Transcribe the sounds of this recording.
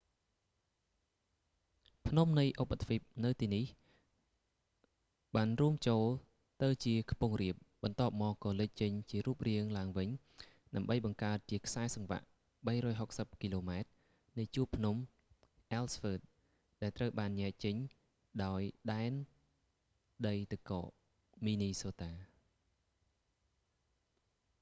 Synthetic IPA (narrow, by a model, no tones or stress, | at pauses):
pʰnumnɨjʔopːat̪ʰʋip̚nɨwt̪iːnih | ɓaːnruəmt͡ɕoːl | t̪ɨwt͡ɕiəkʰpuəŋriəp̚ɓɑnt̪ŏəp̚mɑːkkːɑːlɨc̚t͡ɕəɲt͡ɕiəɾuəp̚riəŋlaəŋʋɨɲ | ɗaəmɓəjɓɑŋkaət̪̚t͡ɕiəkʰsaɛsɑŋʋa̰ʔ | ɓəjɾɔːjɦok̚səp̚kiloːmaɛt̪̚ | nɨjt͡ɕuəpʰnum | ʔalsfəːt̪̚ | ɗaɛlt̪rəwɓaːnːɛ̆əʔt͡ɕəɲ | ɗaɔjɗaɛn | ɗəjt̪ɨkɑ̰ːʔ | miːniːsoːt̪aː